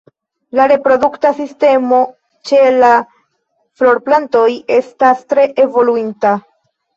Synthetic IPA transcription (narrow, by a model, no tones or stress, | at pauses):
laɾe̞pɾo̞duktasiste̞mo̞ | t͡ʃe̞la | flo̞ɾplanto̞je̞stastɾe̞ʔevo̞luinta